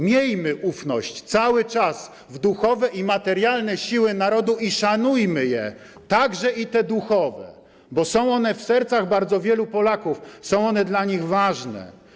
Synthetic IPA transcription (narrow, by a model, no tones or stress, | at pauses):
mʲjejmɘʔufnɔɕt͡ɕt̪sawɘt͡ʂas | vd̪uxɔvɛʔimat̪ɛɾjalnɛɕiwɘnaɾɔd̪uiʂanujmɘjɛ | t̪aɡʐɛit̪ɛd̪uxɔvɛ̰ | bɔsɔ̃w̃ɔnɛfsɛɾt̪saɣbaɾd̪zɔvʲjɛlupɔlakufsɔ̃w̃ɔnɛd̪laɲiɣvaʐnɛ̰